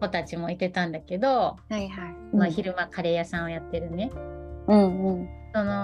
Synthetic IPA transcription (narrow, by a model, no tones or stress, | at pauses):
ko̞t̪at͡ɕimo̞it̪e̞t̪ãnd̪ake̞d̪o̞haiɦaimaçiɾɯ̟makaɾe̞jasãɰ̃ojat̪ːe̞ɾɯ̟ne̞ɯ̟̃ɴɯ̟̃ɴso̞no̞